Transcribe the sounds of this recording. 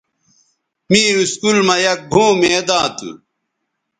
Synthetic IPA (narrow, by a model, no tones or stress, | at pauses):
miːɾuskulmɐjɐk̚bʱũːmeːd̪ãːt̪ṵ